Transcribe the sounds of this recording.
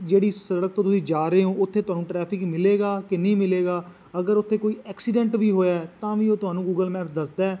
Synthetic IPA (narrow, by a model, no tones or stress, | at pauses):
d͡ʒeːɽiːsəɽək̚t̪õːt̪ʊsĩːd͡ʒaːɾəɦeːɦõːʊt̪ʰːeːt̪ʊɦaːnũːʈɾɛːpʰɪkmɪleːɡaːkɪnəĩːmɪleːɡaː | əɡəɾʊt̪ʰːeːkoːiːʔɛːksiːɖɛ̃ːɳʈʋiːɦoːjaːɛt̪ãːʋiːoːt̪ʊɦaːnũːɡuːɡəlmɛːpd̪əsd̪aː